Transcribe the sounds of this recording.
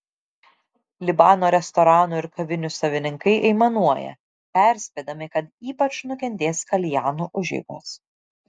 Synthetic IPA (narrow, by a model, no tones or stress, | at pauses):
lʲɪbɑːnoːɾʲɛst̪ɔɾɑːnuɪɾkɐʋʲɪnʲʊsɐʋʲɪnʲɪŋkɐɪʔɛɪmɐnuɔjɛ̰ | pʲæˑɾʲsʲpʲeːd̪ɐmʲɪkɐt̪iːpɐt͡ʃnʊkʲɛnʲd̪ʲeːskɐlʲjæːnuːʔʊʒʲɛ̰ɪɡo̰ːs